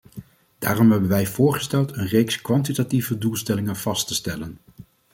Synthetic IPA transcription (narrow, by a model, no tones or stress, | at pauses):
d̥aːrɔmɦɛbənʋɛjv̥ʊːɹχə̥stɛlˠtənrejkskʋɑntitativədulˠstɛlɪŋənv̥ɑstəstɛlən